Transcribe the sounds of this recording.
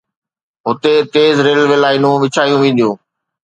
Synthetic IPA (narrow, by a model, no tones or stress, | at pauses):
ɦʊt̪et̪eːzɾeːlʋelaːɪnũʋɪt͡ɕʰaːjũʋĩːn̆d̪ijũː